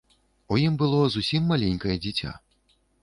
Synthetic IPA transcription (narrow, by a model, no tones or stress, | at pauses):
ujimbɨlˠɔzusʲimːalʲenʲkɐjɛd͡zʲit͡sʲa̰